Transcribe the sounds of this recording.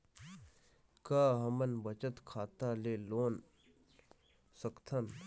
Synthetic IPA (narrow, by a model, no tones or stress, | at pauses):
kaːɦɐmənbət͡ʃət̪kʰaːt̪aleːloːn | səkt̪ʰən